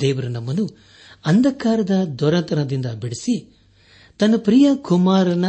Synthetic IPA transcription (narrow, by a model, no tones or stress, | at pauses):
d̪ɛːʋɐɾunɐmːɐnu | ɐnd̪ɐkaːɾɐd̪ɐd̪ɔɾɐnt̪ɐnɐd̪ind̪ɐbiɽisi | t̪ɐnːɐpɾijɐkumaːɾɐnɐ